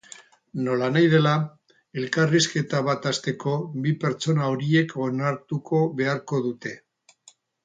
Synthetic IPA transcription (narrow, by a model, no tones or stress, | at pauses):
no̞lanajð̞e̞la | e̞lkariske̞t̪aβ̞at̪ast̪e̞ko̞βipe̞ɾt͡ʃo̞naoɾie̞konaɾt̪uko̞βe̞aɾko̞ðut̪e̞